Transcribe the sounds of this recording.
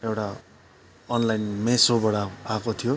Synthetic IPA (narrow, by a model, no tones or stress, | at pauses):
ewʈa | ʌnlajnmesobʌɽaakot̪ʰijo